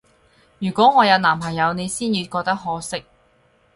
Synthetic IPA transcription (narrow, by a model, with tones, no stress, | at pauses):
jyː˨˩kʷɔː˨˥ŋɔː˨˧jɐ˨˧wnaː˨˩mpʰɐ˨˩jɐ˨˧wne˨˧jsiː˥njiː˨˧kɔː˧k̚t̪ɐ˥k̚ɦɔː˨˥sɪ˥k̚